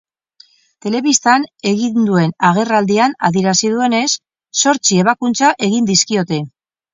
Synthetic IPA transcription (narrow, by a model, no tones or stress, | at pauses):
t̪e̞le̞βist̪ane̞ɣind̪ue̞naɣ̞e̞rald̪iana̰ðieɾasið̞ue̞ne̞sː | o̞ɾt͡sie̞β̞akunt͡saʔe̞ɣind̪iskio̞t̪e̞